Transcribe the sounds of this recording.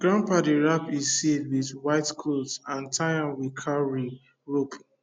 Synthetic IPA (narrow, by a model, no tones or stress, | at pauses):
ɡ̥ɹãmpadiɹapizsedwidwaɪtkʰotãntʰaãnwikʰaɹi | ɹop